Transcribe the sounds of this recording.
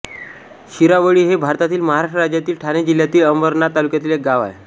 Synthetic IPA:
ɕiɾaʋəɭiːɦebʱaɾt̪at̪iːlməɦaɾaʂʈɾəɾad͡ʑjat̪iːlʈʰaned͡ʑil̤jat̪iːləmbəɾnat̪alukjat̪iːlek̚ɡaʋa̰e

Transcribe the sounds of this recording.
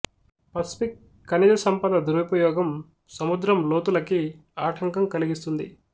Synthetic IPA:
pɐspikː | ɐnid̪ɐsɐmpɐd̪ɐd̪uɾɐpɐjɔːɡɐm | sɐmud̪ɾɐmloːt̪ulɐki | aːʈʰɐŋkɐmkɐliɡist̪und̪ḭ

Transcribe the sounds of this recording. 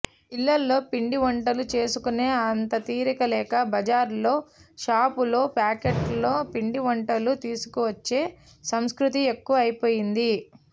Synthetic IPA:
ilːɐlːo̞ːpiɳɖiʋɐɳʈɐlut͡ʃe̞ːsukuneːɐnt̪ɐt̪iːɾikɐlɛːkɐbɐd͡ʒaːɾlo̞ːʃaːpulo̞ːpaːkeʈlo̞ːpiɳɖiʋɐɳʈɐlut̪iːsu̥kuʋɐt͡ʃːe̞ː | sɐmskɾut̪̬iekːuʋɐɐjpo̞ːjind̪i

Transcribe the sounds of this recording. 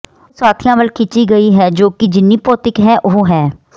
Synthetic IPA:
saːt̪ʰɪjãːʋəlkʰɪt͡ʃiːɡəiːɦɛːd͡ʒoːkɪd͡ʒɪnːiːpɔːt̪ɪkɦɛːʔoɦɦɛː

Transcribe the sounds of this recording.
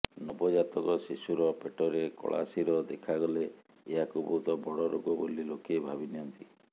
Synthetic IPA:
nɔbɔd͡ʒat̪ɔkɔsisuɾɔpeʈɔɾekɔ̰ɭa̰siɾɔd̪ekʰaɡɔle | eɦakubʱot̪ɔbɔɽɔɾoɡɔbolilokebʱabiniɔnt̪i

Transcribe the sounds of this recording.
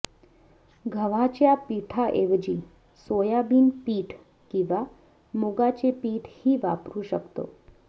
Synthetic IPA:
ɡʱəʋat͡ɕjapiʈʰaʔeʋd͡ʑiː | sojabiːnpiːʈʰ | kĩʋa | moɡat͡ɕepiːʈʰhiʋa̰pɾuːʃəkt̪o̰

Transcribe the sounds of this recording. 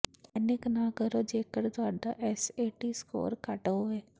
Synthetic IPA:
ɛnɪknãːkəɾoːd͡ʒeːkəɾt̪ʊaːɖa̰ːʔɛseːʈiːsko̰ːɾkəʈoːɛː

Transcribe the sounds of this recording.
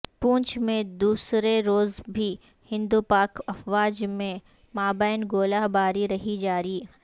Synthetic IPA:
pũːɲt͡ʃmẽd̪uːsɾeɾoːzbʱi | hɪ̃nd̪upaːkɐfʋaːd͡ʒmẽ | maːbaːɪnɡoːlabaːɾiɾɐɦid͡ʒaːɾiː

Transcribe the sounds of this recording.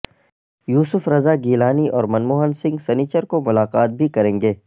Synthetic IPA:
juːsʊfɾɐzaɡiːlaːniʔɔːɾmɐnmoːɦənsɪ̃ŋɡsɛniːt͡ʃəɾkomʊlaːqaːt̪̚bʱikɐɾẽːŋɡeː

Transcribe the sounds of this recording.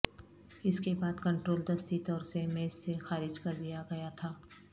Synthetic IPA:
ɪskebaːd̪kɐ̃ɳʈɾoːld̪ɐst̪it̪ɔːɾsemeːsːexaːɾɪd͡ʒkɐɾd̪ijaɡɐjat̪ʰaː

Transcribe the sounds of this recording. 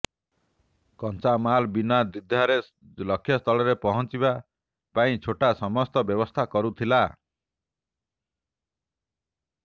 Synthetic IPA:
kɔnt͡ʃamalbinad̪id̪ʱːaɾe | lɔkʰːjɔst̪ʰɔɭɔɾepɔɦɔnt͡ʃiba | paĩt͡ʃʰoʈasɔmɔst̪ɔbjɔbɔst̪ʰakɔɾut̪ʰila

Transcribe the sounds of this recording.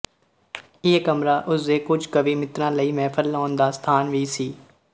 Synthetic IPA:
ɪekəmɾaːʔʊsd̪eːkʊd͡ʒkəʋiːmɪt̪ɾãːləiːmɛːpʰəlːɔːnd̪aːst̪ʰaːnʋiːsiː

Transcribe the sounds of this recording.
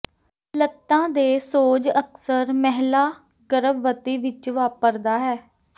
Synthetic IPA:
lət̪ːãːd̪eːsoːd͡ʒəksəɾmɛɦlaː | ɡəɾəbʋət̪iːʋɪt͡ʃʋaːpəɾd̪aːɦɛː

